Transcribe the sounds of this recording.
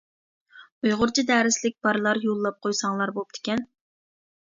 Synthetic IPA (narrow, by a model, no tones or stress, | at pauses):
ujʁʊɾt͡ʃʰid̪æːɾɪslɪk̚ʲb̥ɑɾɨlˠɑɾjolˠːɑp̚qʰojsɑŋlˠɑɾbop̚d̪̥ʰɪ̥kʲɛn